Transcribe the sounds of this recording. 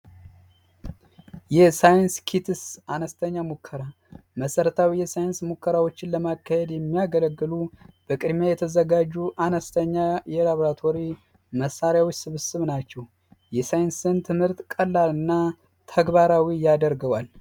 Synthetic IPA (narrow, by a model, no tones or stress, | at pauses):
jɛsajɪnskʰit̪ʰɨsanəst̪ʰəɲːamukʰːəɾa | məsəɾət̪ʰawijɛsajɪnsmukʰːəɾawot͡ʃːɪnləmakʰːahed̪jɛmːijaɡələɡːɨlub̥əkʼɨd̪mjajɛt̪ʰəzəɡad͡ʒːuʔanəst̪ʰəɲːajɛlaβoɾat̪ʰo̞ɾi | məsːaɾjawɔt͡ʃːsɨβɨsɨβnat͡ʃːɛw | jɛsajɪnsɨnt̪ʰɨmhɨɾt̪kʼəlːalɨnːa | t̪ʰəɡbaɾawijad̪əɾɡəwal